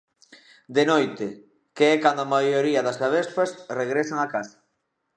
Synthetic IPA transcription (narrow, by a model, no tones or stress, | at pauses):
d̪enojt̪e | keɛkand̪oamajoɾiɐðɐskaβespɐsreɣɾesaŋakasḁ